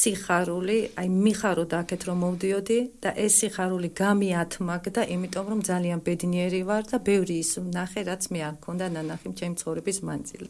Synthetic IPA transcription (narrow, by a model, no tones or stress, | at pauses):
siχaɾuliajmiχaɾɔd̪aːkʰɛt̪ʰɾɔmːɔvd̪iɔd̪id̪̥aʔɛsːiχaɾuliɡamiat̪ʰmakd̪aʔimit̪ʼɔmɾɔmd̪zalianbɛd̪niɛɾivaɾd̪abɛvɾiːsnaχɛɾat̪sʰmɛakʰɔnd̪ananaχimt͡ʃʰɛmit̪sʰχɔvɾɛbismand̪zḭl